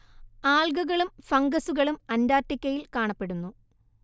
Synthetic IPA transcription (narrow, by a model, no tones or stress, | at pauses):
aːlɡuɣɐɭumfɐŋɡɐsuɣɐɭumɐndaːrtːikʲːɐjilkaːɳɐpːe̞ɽunːu